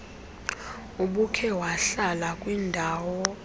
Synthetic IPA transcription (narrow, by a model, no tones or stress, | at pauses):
uɓukʰɛwaɬalakʼwindʱaːwɔ